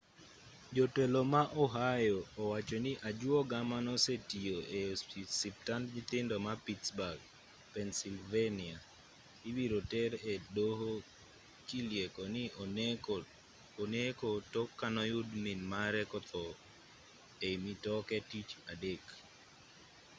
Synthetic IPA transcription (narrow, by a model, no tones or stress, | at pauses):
d͡ʒotelomaʔɔɦajɔːwat͡ʃonɪʔad͡ʒuɔɡamanɔsetioesip̚tantɲɪt̪ɪndɔmapitsbaɡ | pɛnsilvenia | iwiɾotɛɾedɦo | t͡ʃiljekonɪ | onekotokːanɔjʊdminmaɾɛkɔt̪ɔ | emitɔkɛtit͡ʃadek